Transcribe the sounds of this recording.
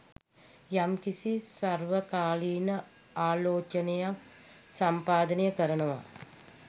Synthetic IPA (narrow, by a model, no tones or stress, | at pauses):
jamkisisarʋəkaːliːnə | aːloːt͡ʃənejak | sampaːd̪ənəjəkəɾənəʋa̰